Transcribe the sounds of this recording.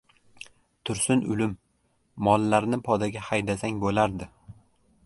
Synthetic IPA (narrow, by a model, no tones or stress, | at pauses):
t̪ʰʊɾsɪnʊ̰lɪmː | ɒlˠːaɾnɪpʰɒd̪aɡʲahajd̪asaŋbolaɾd̪ɪ